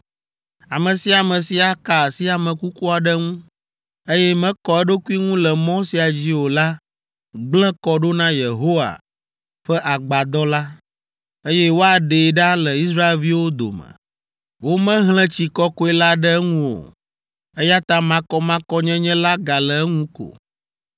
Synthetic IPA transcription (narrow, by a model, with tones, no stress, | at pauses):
a˨mə̃˨si˦a˨mɛ̃˨si˨a˨ka˨si˦a˨mə̃˨ku˦ku˦a˨ɖə˦ŋũ˦ | e˦jɛ˦mɛ̃˦kɔ˨ɛ˦ɖo˦ku˦i˦ŋũ˦lɛ˨mɔ̃˦si˨a˨d͡ʑi˦wo˨la˦ | ɡ͡blɛ̃˦kɔ˦ɖo˦nã˦je˨ɦo˦wa̰˨ | ɸɛ˦ʔa˨ɡ͡ba˨d̪ɔ˦la˦ | e˦jɛ˦wo˦a˨ɖe˨ɖa˦lə˨i˦sɾa˦e˨lvi˦wo˦d̪o̰˨mə̰̃˨ | wo˦mɛ̃˦ɦlɛ̃˦t͡ɕi˨kɔ˦ko˦ɛ˦la˦ɖɛ˦ŋũ˦wo̰˨ | e˦ja˦t̪ã˦mã˦kɔ˦mã˦kɔ˦ɲɛ̃˦ɲɛ̃˦la˦ɡa˨lɛ˨˦ŋũ˦ko̰˨